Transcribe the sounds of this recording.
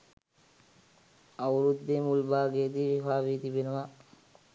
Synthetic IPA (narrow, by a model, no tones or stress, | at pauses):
ɐwɾud̪ːemulbaːɡeːt̪iʋibaːbit̪ibenuʋa